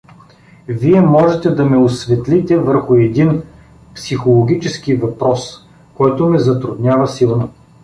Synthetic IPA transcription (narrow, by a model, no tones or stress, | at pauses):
viɛmɔʒɛt̪ɛd̪ɐmɛʊsvɛt̪lʲit̪ɛvəɾxʊɛd̪in | psixolˠoɡʲit͡ʃɛskivɐpɾɔs | kɔjt̪ʊmɛzɐt̪ɾʊd̪nʲavɐsilˠno